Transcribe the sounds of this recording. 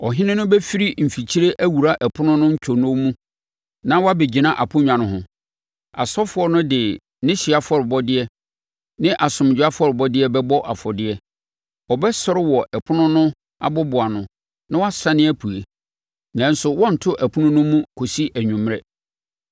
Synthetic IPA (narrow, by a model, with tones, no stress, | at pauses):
ɔ˨ɦɪ̃˦nɪ̃˦nʊ̃˦bɛ˦fi˦ɾi˦m̩˨fi˨t͡ɕʰi˦ɾe˦ʔæ˦wu˨ɾa˦ʔɛ˨pʰʊ˦nʊ̃˦nʊ̃˦ɲ̩˦t͡ɕʰᶣo˨nʊ̃˦mũ˦ | nã˦wɔ˦a˦be˨d͡ʑi˨nã˦ʔa˨pʰʊ̃˦ɲᶣã˨nʊ̃˨ɦʊ̃˨ | a̰˨sɔ˦fʊ˨˦ɔ˦nʊ̃˦dɪ˨ | nɪ̃˦ɕi˨a˨fɔ˦ɾɪ˨bɔ˦dɪ˦ɛ˦ | nɪ̃˦ʔa˨sʊ̃˨m˨d͡ʑᶣʊ˨˦a˦fɔ˦ɾɪ˨bɔ˦dɪ˦ɛ˦bɛ˦bɔ˦ʔa˨fɔ˨dɪ˦ɛ˦ | ɔ˨bɛ˦sɔ˦ɾɪ˦wɔ˨ʔɛ˨pʰʊ˦nʊ̃˦nʊ̃˦ | a̰˨bɔ˦bʊ˨a˨nʊ̃˨ | nɪ̃˦wɔ˦a˦sa˦nɪ̃˦æ˦pʰu˨e˨ | nã˨n̩˦sʊ˨wɔ̃˦n̩˨tʰʊ˦ʔæ˨pʰʊ˦nʊ̃˦nʊ̃˦mũ˦kʰo˨si˦ʔæ˨ɲᶣũ˨m˦ɾɛ˦